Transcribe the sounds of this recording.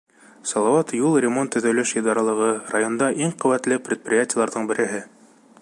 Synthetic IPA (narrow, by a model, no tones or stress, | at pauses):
sɑlˠɑwɑt̪julˠrʲɪmo̞nt̪ːɵ̆ðæwlɘʃjɤ̆d̪ɑɾɑlˠɤ̆ʁɤrajo̞nd̪ɑʔiɴqɵ̆wæt̪lɘpɾʲɪt̪̚prʲɪjatʲɪjəlˠɑɾðɤɴbɘ̆ɾɘ̆ɦɘ